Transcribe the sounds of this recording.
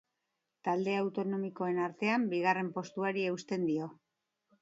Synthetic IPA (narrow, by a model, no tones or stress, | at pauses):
t̪ald̪e̞awt̪o̞no̞miko̞e̞naɾt̪e̞ambiɣ̞are̞mpo̞st̪uaɾie̞ust̪e̞nd̪io̞